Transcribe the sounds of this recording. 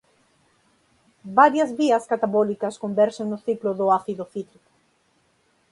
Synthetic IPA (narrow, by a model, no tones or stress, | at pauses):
baɾjɐzβiɐskat̪aβɔlikɐskombɛɾseŋnʊθiklʊðʊaθiðʊθit̪ɾikʊ̥